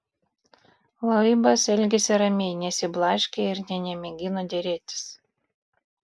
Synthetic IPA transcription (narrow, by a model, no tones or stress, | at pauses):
lˠɐɪbɐsɛlʲɡʲɛsʲɪɾɐmʲɛɪnʲɛsʲɪblˠɑʃʲkʲeɪɾnʲɛnʲɛmʲɛɡʲɪnod̪ʲɛɾʲeːt̪ʲɪ̥s